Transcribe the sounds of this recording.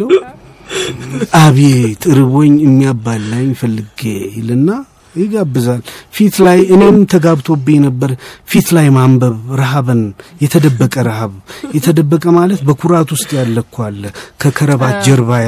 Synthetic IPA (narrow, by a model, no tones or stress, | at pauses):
ʔaβet̪ʼɨɾɨβo̞ɲːɨmːijabːalːaɲɪfəlːɨɡelɨnːa | jɪɡabːɨzalfit̪lajʔɨne̞mt̪ʰəɡaβt̪ʰobːinəbːəɾfit̪lajmambəβɾaɦaβɨnjɛt̪ʰəd̪əbːəkʼəɾahaβjɛt̪ʰəd̪əbːəkʼəmalət̪bəkʰuɾat̪wʊst̪ʼjalːəkʰːwalːəkʰəkʰəɾəβat̪d͡ʒɛɾβaja